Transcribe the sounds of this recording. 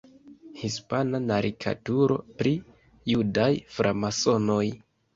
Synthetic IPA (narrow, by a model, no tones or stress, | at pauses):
hispananaɾʔikʰa̰tuɾo̞̰pɾi | judajfɾʔamaso̞no̞j